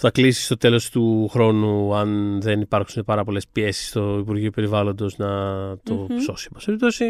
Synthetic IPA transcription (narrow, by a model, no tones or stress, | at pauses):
θɐklisi̥st̪o̞t̪e̞lo̞st̪uxɾo̞nuɐnðe̞nipɐɾksune̞pɐɾɐpo̞le̞spie̞si̥st̪oipuɾʝiope̞ɾivɐlo̞nd̪o̞znɐt̪o̞pso̞simɐseip̚t̪osi